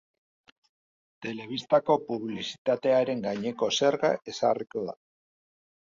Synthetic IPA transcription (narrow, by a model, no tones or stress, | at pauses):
t̪e̞le̞β̞ist̪ako̞puβlisi̥t̪at̪e̞aɾe̞ŋɡaɲe̞ko̞se̞ɾɣa̰ʔe̞sa̰riko̞ða̰